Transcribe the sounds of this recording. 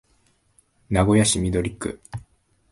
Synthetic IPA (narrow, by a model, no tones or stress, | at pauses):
naɡo̞jaɕimʲid̪o̞ɾʲikːɯ̰